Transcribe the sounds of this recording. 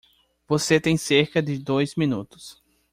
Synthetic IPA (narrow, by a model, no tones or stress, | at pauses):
voset̪ẽj̃seɾkɐd̪ɪd̪ojzmĩnut̪ʊ̥s